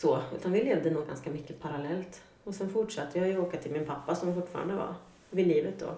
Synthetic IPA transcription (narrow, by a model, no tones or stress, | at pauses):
sɔʉ̟ːt̪anvɪleːvd̪ənuːɡa̰nskamʏkːəpʰaɾalɛlt̪ | ɔsɛnfʊʈʂat̪ʰːəjajɵoːkat̪ʰɪlmɪnpʰapːasɔmfʊʈːfɑ̰ːɾa̰nd̪əva̰ | vɪliːvət̪̚d̪ɔ̰ː